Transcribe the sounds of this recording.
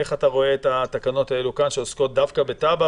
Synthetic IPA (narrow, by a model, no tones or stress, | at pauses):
eχataʁo̞eːtat̪akano̞tae̞lukanʃe̞osko̞t̚d̪afkabe̞taba